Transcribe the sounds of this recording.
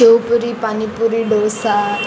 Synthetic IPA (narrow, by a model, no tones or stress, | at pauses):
ewpuɾipanipuɾiɖosa